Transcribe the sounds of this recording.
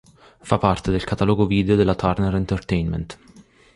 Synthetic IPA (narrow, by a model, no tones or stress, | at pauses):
fɐpɐɾt̪ɛd̪ɪlkɐt̪ɐːlɔɡuviːd̪ɛod̪ɪlɐt̪ʰɐɾnɛɾɪnt̪ɛɾt̪ɛjnmɛ̰nt̪